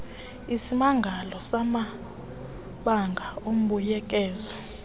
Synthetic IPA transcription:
isimaŋɡʱalɔsama | ɓaŋɡʱaom̩ɓujɛk̬ʼɛːzɔ

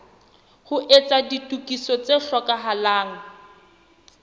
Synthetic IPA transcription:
hʊʔet͡saditʼukʼisɔt͡seɬɔkʼaɦalaːŋ̩

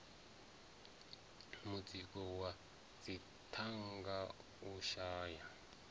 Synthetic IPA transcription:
mud͡zikɔwa | d͡zi | tʰaŋɡa | uʃaːja

